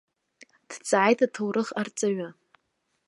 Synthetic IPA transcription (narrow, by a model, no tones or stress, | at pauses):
d̥t͡sʼʕajtʰatʰowɾɨχart͡sʼaɥa